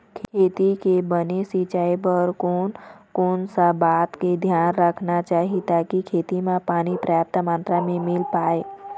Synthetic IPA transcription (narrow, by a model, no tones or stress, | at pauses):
kʰkʰeːt̪ikebənesit͡ʃaːebɔɾkoːnkoːnsabaːt̪ked̪ʱjaːnɾəkʰnat͡ʃaːɦit̪aːkikʰeːt̪imãpaːñipɾaːp̚t̪əmãːnt̪ɾamẽmɪlpaːeː